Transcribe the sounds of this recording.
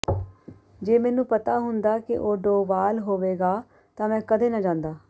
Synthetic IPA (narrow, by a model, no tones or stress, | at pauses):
d͡ʒeːmɛːnũːpət̪aːɦʊnd̪aːkɪ̰ʔoːɖoːʋaːlɦoːʋeːɡaː | t̪ãːmɛ̃ːkəd̪eːnəd͡ʒãːnd̪aː